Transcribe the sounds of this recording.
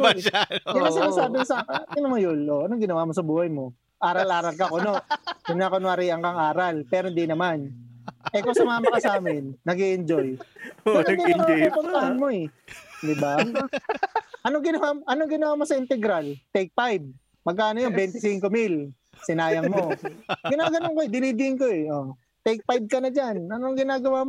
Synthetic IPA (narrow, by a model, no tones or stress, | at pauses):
d̪ɪmasɪnasaːbɪkosɐkɐɪnɐmɐjʊlʔoʔɐnoŋɡɪnɐwamo̞sɐbuːhɐjmo̞ | ʔaːɾɐlʔaːɾɐlkɐkono̞ʔdɪnaːkonoɐɾiːʔɐŋkɐŋaːɾɐlpɛːɾoɪnd̪inɐmanʔɛkosɐmaːmɐkɐsaːmɪnːɐɡiʔɪnd͡ʒoj | nnd̪inɐmaɐpɐnt̪ɐhɐnmo̞ɛd̪ɪba | ʔɐnoŋɡɪnɐwamʔɐnoŋɡɪnɐwaːmosɐɪnt̪ɛɡɾalt̪ɛjk̚pajb̚ | mɐɡ̚kaːnojonbɛnt̪ɪsiŋko̞mil | sɪnaːjɐŋmo̞ɡɪnaːɡɐnoŋkoɛd̪ɪniːd̪ɪɪŋkoɛʔo | t̪ɛjk̚pajb̚kɐnɐd͡ʒanʔɐnoŋɡɪnaːɡɐwaːm